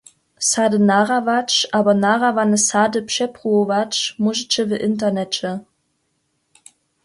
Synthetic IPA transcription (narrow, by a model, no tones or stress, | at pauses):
sadənaʁavat͡ʃʔaːbɐnaʁavanəsaːdəpʃɛpʁuovat͡ʃmuʒit͡ʃəvəʔɪntɐnɛt͡ʃə